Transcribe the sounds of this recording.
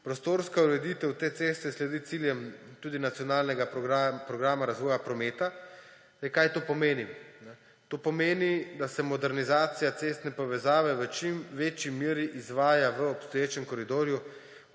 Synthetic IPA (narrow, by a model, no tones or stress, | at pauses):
pɾɔst̪oːɾskauɾɛd̪it̪ɛwt̪eːt̪seːst̪ɛslɛd̪it̪siljɛmt̪uːd̪inat̪sjɔnaːlnɛɡaapɾɔɡɾaːmaɾazʋɔːjapɾɔmeːt̪a | jkajt̪oːpɔmeːninɛ | t̪oːpɔmeːnid̪asɛmɔd̪ɛɾnizaːt̪sijat̪seːst̪nɛpɔʋɛzaːʋɛʋət͡ʃimʋeːt͡ʃimeːɾiʔizʋaːjaʋəɔpst̪ɔjeːt͡ʃɛmkɔɾid̪oːɾju